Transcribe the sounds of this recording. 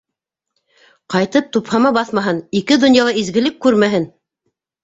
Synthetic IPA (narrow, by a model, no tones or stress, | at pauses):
qɑjt̪ɤp̚t̪uphɑmɑbɑθmɑɦɤnikɘd̪ŏnjɑlˠɑizɡɘ̆lɘkːʉɾmæɦɘn